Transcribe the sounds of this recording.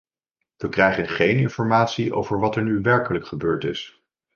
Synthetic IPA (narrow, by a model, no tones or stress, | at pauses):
ʋəkrɛjχənχejnɪnfɔɹmaːtsiʔo̰wvəɹʋɑtɛɹnyʋɛɹkələkχəbøːɹtɪs